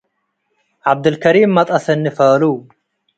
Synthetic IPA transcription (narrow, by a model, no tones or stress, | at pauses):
ʕab̚d̪ɨlkʰɐɾiːmːɐt̪ʼɐsɨnːɨfɐlu